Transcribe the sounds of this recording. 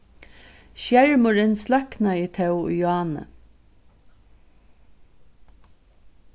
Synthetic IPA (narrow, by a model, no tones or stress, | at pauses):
ʃjæɹmʊɹɪnslœknait̪ʰɛw̰jʊaːnə̰